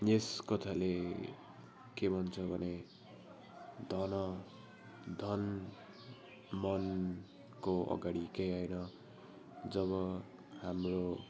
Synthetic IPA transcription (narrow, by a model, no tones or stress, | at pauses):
eskʌt̪ʰale | kebʱʌnt͡sʰʌbʱʌne | d̪ʱʌnʌ | d̪ʱʌn | mʌn | koʌ̰ɡaɽikejɦʌjnʌ | d͡zʌβʌ | hamro